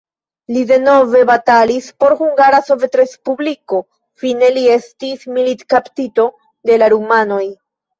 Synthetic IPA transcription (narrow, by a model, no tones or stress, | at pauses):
lide̞no̞ve̞batalispo̞ɾhuŋɡaɾaso̞vetɾe̞spubliko̞ | fine̞lie̞stismilitkaptito̞ | de̞laɾumano̞j